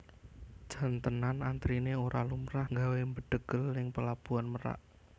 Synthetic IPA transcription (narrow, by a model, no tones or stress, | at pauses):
d̥ʒ̥a̤nt̪ənanant̪ɾineoɾʔalumɾahŋɡawembəɖ̪̥əɡ̥əlːɪŋpəlab̥uanməɾa̰ʔ